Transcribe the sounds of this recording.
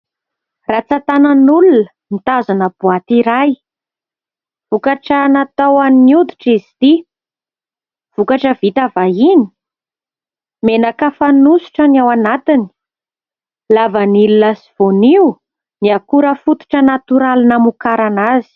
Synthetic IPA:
rat͡sat̪anənulunə | mit̪azanəbuat̪iɾaj | v̥ukaʈ͡ʂanat̪awaniniud̪iʈ͡ʂizit̪i | v̥ukaʈ͡ʂəvit̪avajini̥ | menakafanusu̥ʈ͡ʂəniawanat̪ini̥ | lavənilunasiv̥oniu | niakuɾəfut̪u̥ʈ͡ʂənat̪uɾalinamukaɾanazi̥

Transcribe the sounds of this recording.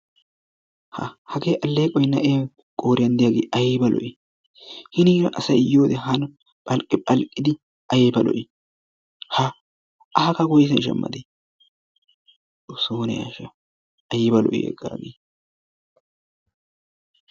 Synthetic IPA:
hɐ̰hɐɡeːʔɐlːeːkʼɔjnɐʔeː | kʼoːɾɪjɐnd̪ɪjaɡeːʔɐjbɐlɔ̰ʔɪ | hɪniːɾɐʔɐsɐjɪjoːd̪ɛɦɐn | pʼɐlkʼɪpʼɐlkʼːɪd̪ɪ | ʔɐjbɐlɔ̰ʔɪ | ha | ʔɐhɐkɐɡɔjs̬ɛnʃɐ̰mːɐ̰d̪e | ʊsoːnɛjɐ̰ʃɐ | ɐjɪbɐlɔ̰ʔɪ̰ɛ̰ɡa̰ːɡeː

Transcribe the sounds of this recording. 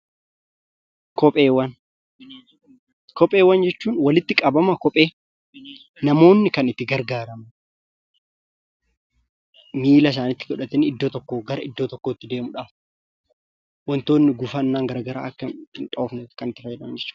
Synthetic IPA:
kɔpʼeːwɐn | kɔpʼe̞ːwːɐnd͡ʒɛt͡ʃːuːnwɐlɪt̪ːɪkʼɐbɐmɐkɔpʼe̞ː | nɐmo̞ːnːɪkɐnɪt̪ːɪɡɐɾɡaːɾɐmɐ | miːlɐs̬aːnɪt̪ːɪ̥kɔᶑɐt̪ːɛnɪd̪ːoːt̪ɔkːoːɡɐɾɐɪd̪ːo̞ːt̪ɔkːoːɪt̪ːɪd̪e̞ːmʊᶑaːf | wɐnt̪o̞ːnːɪɡʊfɐnːaːŋɡɐɾɐɡɐɾa̰ːʔɐkːɐɪnt̪ʼo̞ːfnɛkɐnɪt̪ːɪfɐd͡ʒɛᶑɐmɐnd͡ʒɛt͡ʃːuːᶑ

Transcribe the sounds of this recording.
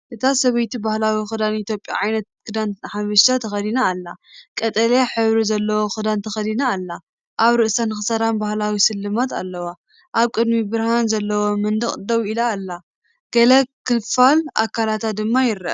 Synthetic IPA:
ʔɨt̪ʰasɐβɐjt̪ibahlawixɨd̪anit̪jopʼja̰ʕajnɐt̪̚kɨd̪anħafɐʃt̪at̪ʰɐxɐd̪inaːlːakʼɐt̪ʼɐlaħɨβɾizɐlːɐwo̞xɨd̪ant̪ʰɐxɐd̪inaːlːa | ʔaβɾɨʔsanɨxɨsɐɾambahlawisɨlːɨmat̪a̰lːɐwa | ʔaβkʼɨd̪mibɨɾhanzɐlːɐwo̞mɨnd̪ɨχʼd̪ɐwilaːlːa | ɡ̥ɐlɐkʰːɨfala̰kʰalat̪ʰat̪̚d̪ɨmːajɪɾɐ̰

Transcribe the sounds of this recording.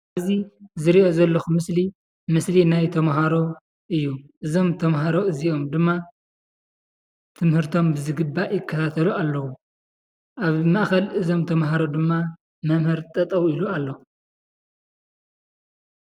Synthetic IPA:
azizɨɾiʔo̞zɐlːɐxumɨsli | mɨslinajt̪ʰɐmɦaɾo̞ | ʔɨjːuʔɨzo̞mt̪ʰɐmɦaɾo̞ɨzio̞md̪ɨmːa | t̪ʰɨmhɨɾt̪ʰo̞mbɨzɨɡɨbːajɪkʰːɐt̪ʰat̪ʰɐlualːɐwu | ʔaβmaʔxɐlʔɨzo̞mt̪ʰɐmɦaɾo̞d̪ɨmːa | mɐmhɨɾt̪ʼɐt̪ʼɐwilualːo

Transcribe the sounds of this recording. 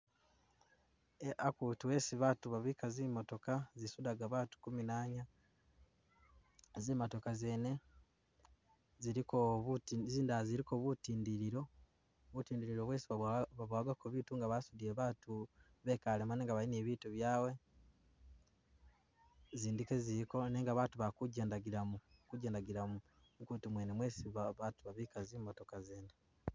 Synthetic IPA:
akutuwe̞ːsiβatuβaβikaziːmːoto̞kazisudaɡaβaːtu̥kuminaːɲa | zeːmoto̞kaze̞ne̞ | ziɾikoβziːndaaziɾiko̞βutiːndiɾiɾo̞ | βutiːndiɾiɾo̞βwe̞ːsiβaβaβaɡakoβituŋɡaβasudieβaːtu | βe̞kalemaneŋɡaβaineːβiːtuβjaːwe̞ | ziːndike̞ziɾiko̞ne̞ːŋɡaβaːtuβakuɟendaɡiɾamukuɟeːndaɡiɾamu | ŋkutumweːnemwe̞ːsiβaβatuβaβiːkazimato̞kazeːne

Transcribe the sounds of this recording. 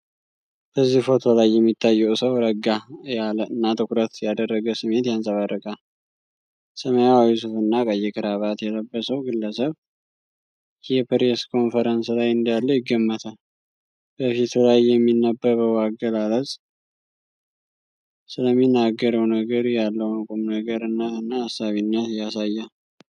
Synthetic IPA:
b̥əzːihfo̞t̪ʰo̞lajːɛmːit̪ʰːajːɛwsəwɾəɡːajaləɨnːat̪ʰʼɨkɾət̪jad̪ərːəɡəsɨme̞t̪jansʼəβarːəkʼa | səməjawawis̬ufɨnːakʼəjːɛkʰɨɾaβat̪jɛləbːəsəwɡɨlːəsəβ | jɛpɾeskʰo̞nfəɾənslajɨnd̪ijalːəjɪɡːəmːət̪ʰal | b̥əfit̪lajːɛmːinːəbːəβəwaɡəlaləzʼ | sɨləmːinːaɡːəɾəwnəɡəɾjalːəwnɨkʼumnəɡəɾɨnːət̪ɨnːaːsːaβinːət̪jasajːa

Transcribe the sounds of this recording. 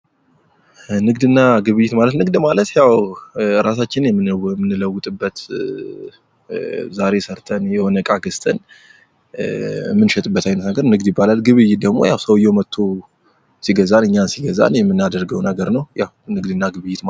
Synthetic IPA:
nɨɡd̪ɨnːaɡɨβɨjːɪt̪malət̪nɨɡd̪malət̪jawɾas̬at͡ʃːɪnjɛmːɨɛmːɨnːɨləwːʊt̪ʼɨbːət̪ | zaɾe̞səɾt̪ʰənjɛhonəkʼaɡɨst̪ʼən | mːɨnʃɛt̪ʼɨbːət̪ʰajnət̪nəɡəɾnɨɡd̪jɪbːalalɡɨβɨjːɪd̪əɡmo̞jawsəwɨjːɛmət̪ʰːo | siɡəzanɨɲːansiɡəza̰njɛmːɨnːad̪əɾɡəwnəɡəɾnəwjawnɨɡd̪ɨnːaɡɨβɨjɪt̪ma

